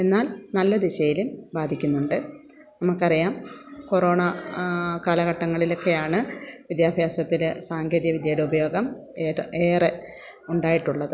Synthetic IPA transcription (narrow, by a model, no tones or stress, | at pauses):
e̞nːaːlnɐlːɐd̪iɕɐjilumbaːd̪ʱikʲːunːuɳɖɨ | nɐmɐkːɐrijaːmko̞ro̞ːɳɐ | kaːlɐɣɐʈːɐŋːɐɭilo̞kːe̞jaːɳɨʋid̪jaːbʱjaːsɐt̪ːilɨsaːŋɡʱeðjɐʋid̪jaːɽuubɐjo̞ːɡɐm | eːre | uɳɖaːjiʈːuɭːɐðɨ